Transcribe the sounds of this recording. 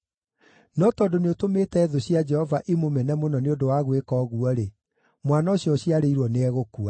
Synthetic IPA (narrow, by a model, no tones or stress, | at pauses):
nɔtɔːdoneotometɛːðoɕjad͡ʒɛhɔvaʔimomɛnɛmonɔneodowaɣwekɔːɣuɔɾe | mwanaɕjɔɕiaɾeiɾwɔneɛɣokua